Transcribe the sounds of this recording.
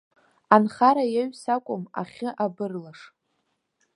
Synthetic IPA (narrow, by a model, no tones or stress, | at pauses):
anχaɾajaɥsakʷʼʊma̰χʲɪʔabɨrlaʂ